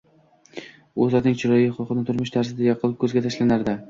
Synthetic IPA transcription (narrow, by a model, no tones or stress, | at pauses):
ozaɾnɪŋt͡ʃʰɪɾɒjɪχʊlˠqɨnɪt̪ʰʊɾmɪʃt̪ʰaɾsɪd̪ajɒqʰɨlˠɪp̚kʰɵzɡʲat̪ʰaʃlanaɾd̪ɪ